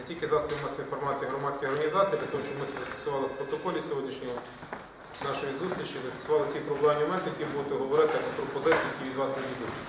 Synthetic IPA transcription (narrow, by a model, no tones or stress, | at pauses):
tʲilʲkɪzɑsʲmɐsʲinfɔrmɑt͡sʲijɐɦɾɔmɑdʲsʲkojɔrɦɐnʲizɑt͡sʲijip̪lʲɐt̪ɔmʊʃt͡ʃɔbmɪsɛzɐfʲi̥ksʊʋɑlˠɪwpɾɔt̪ɔkɔlʲisʲɔɦɔdʲnʲiʃnʲɔɦɔ | nɑʃɔjizust̪ʲɾʲit͡ʃizɐfʲiksʊʋɑlˠɪtʲipɾɔblˠanʲːimɔmɛnt̪ɪjɐkʲimbud̪ʊt̪ɪɦɔʋɔɾɪt̪ɪɔpɾɔpɔzɪt͡sʲijɐkʲiʋʲid̪ʋɑsneʋʲid̪ʊjʊtʲ